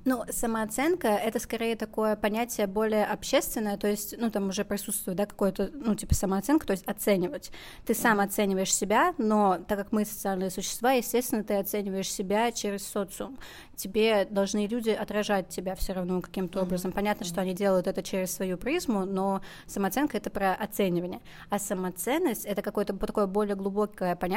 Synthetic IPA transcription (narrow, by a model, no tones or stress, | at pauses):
nusəməɐt̪sɛnkəɛt̪əskɐɾʲejət̪ɐko̞jəpɐnʲætʲɪjəbo̞lʲɪjəʔɐpɕːe̞st̪vʲɪnːəjət̪ojɪsʲtʲnut̪amʊʐɛpɾʲɪsut̪st̪vʊjtd̪akɐ̥ko̞jʊt̪ənutʲipəsəməɐt̪sɛnkət̪o̞ɪsʲtʲɐt̪sɛnʲɪvətʲ | t̪ɨsamɐt̪sɛnʲɪvəjɪʂsʲɪbʲano̞t̪akːakmɨsə̥t̪sɨalʲnɨjəsʊɕːɪ̥st̪vajɪsʲtʲest̪ʲɪnːət̪ɨɐt̪sɛnʲɪvəjɪʂsʲɪbʲat͡ɕeɾʲɪssot̪sɨṵm | tʲɪbʲed̪ɐlˠʐnɨlʲudʲɪɐt̪ɾɐʐat̚ʲtʲːɪbʲafsʲoɾɐvno̞kɐ̥kʲimt̪əo̞bɾəzəmpɐnʲat̪nəʂt̪oɐnʲidʲe̞lˠəjʊt̪ɛt̪ət͡ɕeɾʲɪssvɐjupɾʲizmʊno̞ | səmɐt̪sɛnkəɛt̪əpɾəʔɐt̪sɛnʲɪvənʲɪjə | asəmɐt̪sɛnːəsʲtʲɛt̪əkɐko̞jət̪ət̪ɐko̞jəbo̞lʲɪjəɡlˠʊbo̞kəjəpɐnʲ